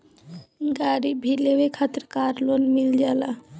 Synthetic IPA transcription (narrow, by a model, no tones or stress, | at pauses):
ɡaɾibʱilewekʰat̪ɾkaɾlonmild͡ʒala